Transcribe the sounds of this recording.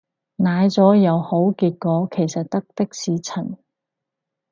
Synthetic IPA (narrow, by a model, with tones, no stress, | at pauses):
naː˨˧jt͡sɔː˨˥jɐ˨˧who˨˥wkiː˧t̚kɔː˨˧kʰe˨˩jsɐ˨t̚t̪ɐ˥k̚t̪ɪ˥k̚siː˨˥t͡sʰɐ˨˩n